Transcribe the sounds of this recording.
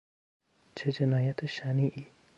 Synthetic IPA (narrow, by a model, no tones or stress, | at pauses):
t͡ʃʰed͡ʒenaːjat̪ʰeʃaniʔi